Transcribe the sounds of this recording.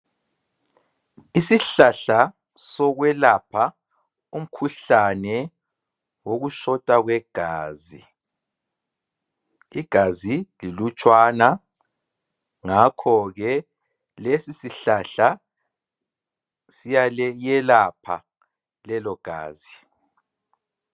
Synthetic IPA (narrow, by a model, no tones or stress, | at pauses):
isiɬaɬa | sɔɣwɛlapʰa | um̩kʰuɬanɛ | woɣuʃɔtʼaɣwɛɡ̥ʱaːzi | iɡ̥ʱazililut͡ʃʼwana | ŋakʰɔɣɛ | lesisiɬaɬa | sijalɛjɛlapʰa̰ | lɛlɔɡ̥ʱa̰ːzi